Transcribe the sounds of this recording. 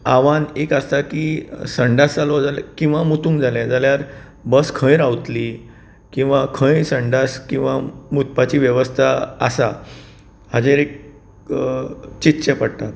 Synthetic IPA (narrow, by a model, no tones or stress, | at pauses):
aʋanekəst̪akisəɳɖasalɔd͡zalɛkĩw̃ʋamut̪ũːŋkd͡zalɛ̃d͡zaljaɾ | bəskʰə̃jɾawt̪li | kĩw̃ʋakʰə̃jsəɳɖaskĩw̃ʋamut̪̚pat͡ɕiːʋjəʋəst̪ʰa̰ːsa | had͡ʑẽɾek̚ | t͡ɕit̪ːɕepəɽt̪at̪